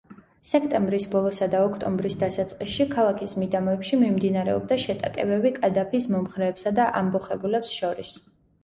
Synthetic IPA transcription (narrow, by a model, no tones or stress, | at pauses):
sɛk̚ʰt̪ʼɛmbɾisbɔlˠɔsad̪aɔkʰt̪ʼɔmbɾisd̪asat̪sʼqʼisʃikʰalˠakʰismid̪amɔɛpʃimimd̪inaɾɛɔ̰b̚d̪aʃɛt̪ʼa̰kʼɛbɛbikʼad̪apʰismɔmχɾɛːpsad̪aʔambɔχɛbulɛpsʃɔɾis